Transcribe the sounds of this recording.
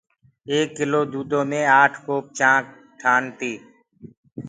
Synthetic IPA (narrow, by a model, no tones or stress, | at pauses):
eːkːɪloːd̪uːd̪õːmẽːaːʈʰkoːp̚t͡ʃãːk̚ | ʈʰaːnt̪iː